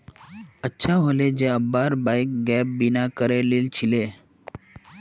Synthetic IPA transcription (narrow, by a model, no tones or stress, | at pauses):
ətːɕʰaɦoled͡ʑeəbːaɾbajk̚ɡɛp̚binakəɾeleːlt͡ɕʰile